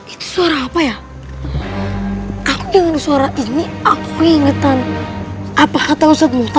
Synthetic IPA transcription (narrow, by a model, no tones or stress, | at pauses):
it̪u̥soaɾaːpaja | akuiŋanusaɾaʔiniakuiŋet̪an | apahat̪ausat̪mut̪